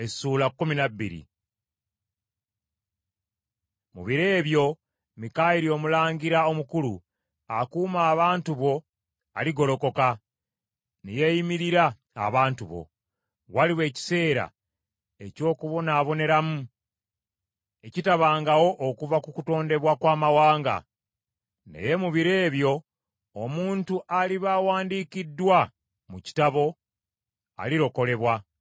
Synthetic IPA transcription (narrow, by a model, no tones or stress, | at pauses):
esuːlakːuminabːḭɾḭ | mṵβiɾe̞ːβjo̞ | mikajiɾio̞mulaːɲɟiɾao̞mukulṵ | akuːmaːβaːntuβo̞ | a̰liɡo̞lo̞ko̞ka | nije̞jimiɾiɾa̰ː | βaːntuβo̞̰ | waliwe̞ːci̥se̞ːɾa̰ | e̞co̞ːkuβo̞naːβo̞ne̞ɾamu | e̞citaβaːŋɡawo̞ʔːkuvakukuto̞ːnde̞βwakwaːmawaːŋɡa̰ | ne̞̰je̞muβiɾe̞ːβjo̞ː | muːntuʔaliβaːwaːndiːkidːwa | muci̥taβo̞ | a̰liɾo̞ko̞le̞βwa